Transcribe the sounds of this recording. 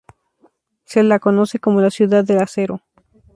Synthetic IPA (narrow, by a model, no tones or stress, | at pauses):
selako̞no̞se̞ko̞mo̞lasjuðaðːelase̞ɾo̞